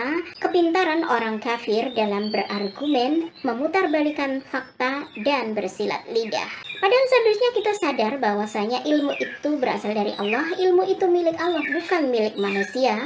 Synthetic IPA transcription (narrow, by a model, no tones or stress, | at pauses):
kəpint̪aɾanoɾaŋkafɪrdalambərʔarɡumɛnməmut̪arbalikanfak̚t̪adanbərsila̰t̪̚lida̰hpadansadɾʊsɲakit̪asadarbawasaɲaʔilmuʔit̪ubəɾa̰saldaɾḭʔɑ̰lːɔhilmuʔit̪umilɪkalːɔhbukanmilɪk̚manusia